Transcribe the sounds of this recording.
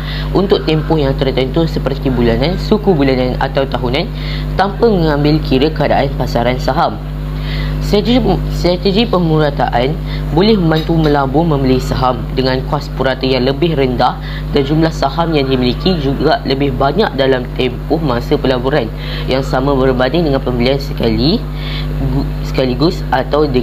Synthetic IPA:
ʔunt̪ʊk̚t̪ɛmpʊhjaŋt̪ərt̪ənt̪usəpərt̪ibulanãnsukubulanãna̰t̪awt̪aɦunan | t̪ampamə̃ŋãmbɪlkʰiɾəkəadaʔanpasaɾansaɦam | st̪ɾat̪əd͡ʒipəmuɾat̪a̰ʔan | bolɛhmə̃mbant̪uməlabʊmə̃miliisaɦamdəŋãnkaspuɾat̪əjaŋləbɪhrəndah | dand͡ʒumlahsahamjaŋdimilikid͡ʒuɡaʔləbɪhbaɲaʔ̚dalamt̪ɛmpʊhmãsəpəlabuɾan | jaŋsamãbərbaniŋdəŋãnpəmbiliansəkali | sə̥kaliɡʊsʔat̪awdə

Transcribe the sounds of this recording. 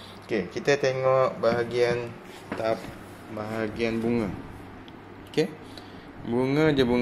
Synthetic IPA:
okekit̪ət̪eŋɔʔbaɦaɡian | t̪ap̚ | baɦaɡianbuŋə | oke | buŋə̃d͡ʒabu

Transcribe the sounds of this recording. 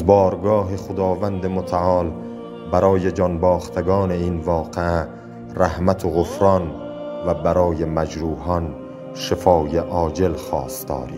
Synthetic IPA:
zbɒːɾɡɒːɦeχod̪ɒːvænd̪emot̪ʰæʔɒːl | bæɾɒːje̞d͡ʒɒnbɒːxt̪ʰeɡɒːne̞iːnvɒːqeæ | ræhmæt̪ʰoɣofɾɒn | væbæɾɒːjemæd͡ʒɾuːɦɒn | ʃefɒːjeʔɒːd͡ʒe̞lxɒ̰ːst̪ɒ̰ːɾḭ̥ː

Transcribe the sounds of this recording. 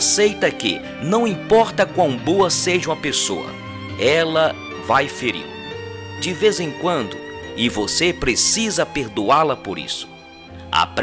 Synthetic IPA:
sejt̪ɐkɪ̰ | nɐ̃w̃ĩpɔɾt̪ɐkwɐ̃w̃boɐseʒɐũmɐpesoɐ̰ | ɛlɐ | vajfeɾḭɾ | d͡ʒɪvezẽkwɐ̃nd̪ʊɪvosepɾesizɐpeɾd̪ualɐpoɾḭsʊ̥ | a̰pɾ

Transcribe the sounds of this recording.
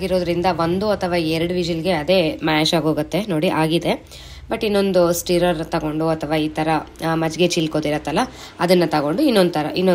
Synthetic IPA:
ɡiɾoːd̪ɾind̪ɐʋond̪uɐt̪ʰɐʋaːɛɾɐɽuʋid͡ʒɐlɡe̞ɐd̪e̞ːmaːʃaːɡo̞ːɡɐt̪ːe̞no̞ːɽiʔaːɡid̪e̞ | bɐʈːinːo̞nd̪usʈiɾɐɾt̪ɐɡo̞ɳɖuɐt̪ʰɐʋaːiːt̪ʰɐɾɐmɐd͡ʒɡet͡ʃilkoːd̪iɾɐt̪ːɐlːɐ | ɐd̪ɐnːɐt̪ɐɡo̞ɳɖuinːo̞nd̪ut̪ʰɐɾɐʔinːo

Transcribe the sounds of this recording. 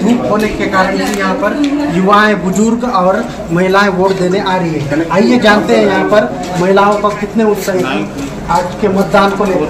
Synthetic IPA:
ʈʰiːkɦoːnekekaːɾəɽ̃ɛjɐɦãpɐɾjʊʋaẽbʊd͡ʒʊɾɡɔːɾ | mɐɦɪlaːẽʋoːʈd̪eːneʔaːɾəɦiɦɛ̃aːijed͡ʒaːnt̪eɦɛ̃jɐɦãpɐɾ | mɐɦɪlaõkokɪt̪neʊt̪səɦit̪ɛ̃ | aːd͡ʒkemɐt̪̚d̪aːnkone

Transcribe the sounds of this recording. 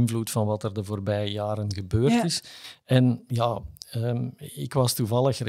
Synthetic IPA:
ɪnvlutfɑnʋɑtərdəvoːrbɛjjaːɾənɣəbøːrtɪsɛnjaːəɪkʋɑstuvɑlˠəxr

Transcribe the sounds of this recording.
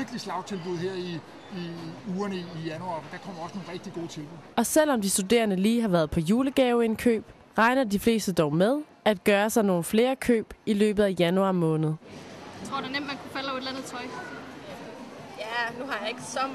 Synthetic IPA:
ɐɡ̥əlislɑ̈ʊt͡sʰe̝lb̥uðˠɦeɐ̰i | iuːɐnəiːjænuɑ̈ːd̥ɑ̈kʰɒ̽m̰ɐɒ̽səno̝nʁɛɡ̥d̥iɡ̥o̝̰ːt͡sʰe̝lb̥uð̩̰ˠɒ̽sel̰ɒ̽md̥isd̥ud̥e̝̰ːɐnəliːɦɑ̈ʋæɐð̩ˠpʰɒ̽juːləɡ̥ɛːʊe̝nkʰø̰ːb̥ | ʁɑ̈ɪnɐdifle̝̰ːsd̥əd̥ɒʊmeð̞ˠ | ʔæd̥̚ɡ̥ɶːɐsɑ̈ɪno̝ːn̩fle̝ːɐkʰø̰ːb̥ilø̰ːb̥ð̩ˠæjænuɑ̈ːmɔ̽ːnð̞̩ˠt͡sʰʁoɐd̥e̝nem̰d̥mænkʰufælʊed̥lænð̩ˠt͡sʰɒ̽ɪ̰ | jænuɦɑ̈jɑe̝ɡ̥əsɒ

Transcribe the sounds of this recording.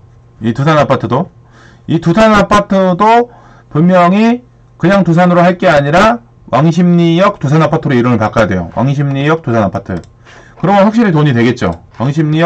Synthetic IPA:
itusʰanapʰatʰɯdo | itusʰanapʰatʰɯdo | pummjʌŋi | kɯɲaŋtus̬ʰanɯɾoɦaɭk͈e̞aɲiɾa | wʔaŋɕʰimɲijʌk̚tusʰanapʰatʰɯɾoiɾɯnɯɭpak͈ajadwe̞jo̰wʔa̰ŋɕ̬ʰimɲijʌk̚t͈usʰanapʰatʰɯ | kɯɾʌmʌɸwak̚ɕ͈iɾitoɲidwe̞ɡe̞t̚t͡ɕ͈o̰waŋɕʰimɲij

